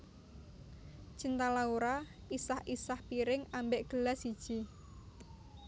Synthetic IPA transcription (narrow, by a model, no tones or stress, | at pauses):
ʒ̥int̪alauɾa | isahisahpiɾɪŋambɪʔɡ̥əlasid̥ʒ̥i